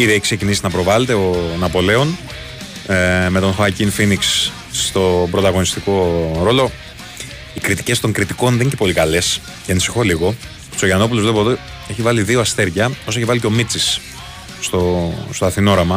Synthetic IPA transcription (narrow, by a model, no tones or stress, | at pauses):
iðieçiksecinisinɐpɾo̞vɐle̞t̪e̞onɐpo̞le̞o̞n | me̞t̪o̞nxɐcinfiniks | t̪o̞bɾo̞t̪ɐɣo̞nist̪iko̞ɾo̞lo̞ | ikɾit̪i̥ce̞st̪o̞ŋkɾit̪iko̞nðenicepo̞likɐle̞s | ceɐnisi̥xo̞liɣo̞ | t̪u̥soʝɐno̞p̬ulozvle̞poðo | e̞çivɐliðioɐst̪e̞ɾʝɐos̬ɐeçivɐlico̞mit͡sisː | t̪o̞st̪oɐθino̞ɾɐmɐ